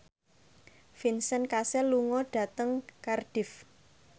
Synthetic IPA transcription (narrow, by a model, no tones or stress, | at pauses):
finsənkasɛluŋɔɖ̥ä̤t̪əŋkarɖ̥ɪ̤f